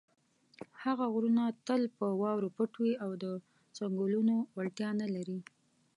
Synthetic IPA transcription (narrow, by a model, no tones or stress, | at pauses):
haɣaɣɾunat̪əlpəwɑwɾopəʈwiawd̪ə | t͡saŋɡulunowalʈ̪jɑnalaɾi